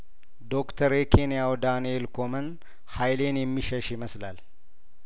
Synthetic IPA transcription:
d̪o̞kt̪ʰəɾekʰenijawd̪anelkomɐn | hajle̞ːnjɛmːiʃɐʃɪməslal

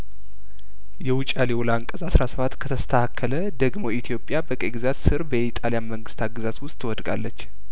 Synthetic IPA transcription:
jɛwʊt͡ʃʼaliwolaŋkʼəzasɾasəβat̪ːkʰət̪ʰəst̪ʰəhakʰːələd̪əɡmo̞it̪ʰijo̞pʼːjabəkʼəɡɨzat̪sɨɾbəit̪ʼalijanməŋɡɨst̪ʰaɡɨzat̪wʊst̪ʼwɔd̪ɡʼa̰lːət͡ʃː

